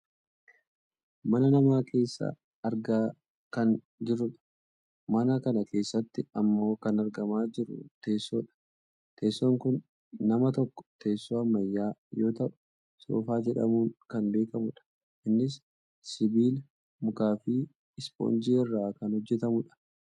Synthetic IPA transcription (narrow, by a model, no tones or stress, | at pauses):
mɐnɐnɐmaːkʰe̞ːsːa̰ | ɐɾɡaː | kɐn | d͡ʒɪɾʊᶑɐ̥ | mɐnɐkɐnɐkʰe̞ːsːɐt̪ːɪɐmːo̞ːkɐnɐɾɡɐmaːd͡ʒɪɾʊ̰t̪e̞ːsːoːᶑɐ̥ | t̪ʰe̞ːsːoŋkʊnː | ɐmɐt̪ɔkːɔ̥t̪ʰe̞ːsːoːɐmːɐjːaːjo̞ːt̪ɐʔʊ̥ | soːfaːd͡ʒɛᶑɐ̰muːnkɐnbeːkɐmʊᶑɐ̥ | ʔɪnːɪs | sɪbiːl | mʊkaːfi | ɪspo̰ːnd͡ʒiːɪrːaːkɐnhɔd͡ʒːɛt̪ɐmʊᶑɐ̥